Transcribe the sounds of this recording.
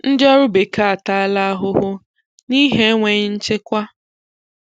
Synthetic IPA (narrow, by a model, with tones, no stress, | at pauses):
n̩˦dɪ˦ɔ˦ɾʊ˦be˨ka˨a˨ta˦˨a˦la˦a˦ɦʊ˦ɦʊ˦ | ni˦ɦe˦ŋʷe˨ɲɪ˦n̩˦t͡ʃe˦kʷa˦